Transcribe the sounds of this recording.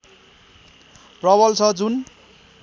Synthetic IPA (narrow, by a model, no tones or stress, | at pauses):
rʌbʌlt͡sʰʌd͡zun